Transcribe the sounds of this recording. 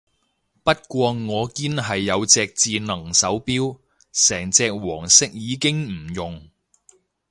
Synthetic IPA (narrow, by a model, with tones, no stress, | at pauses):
pɐ˥t̚kʷɔː˧ŋɔː˨˧kiː˥nɦɐ˨jːɐ˨˧wt͡sɛː˧k̚t͡siː˧nɐ˨˩ŋsɐ˨˥wpiː˥w | sɛː˨˩ŋt͡sɛː˧k̚wɔː˨˩ŋsɪ˥k̚jiː˨˧kɪ˥ŋm̩˨˩jʊ˨˩ŋ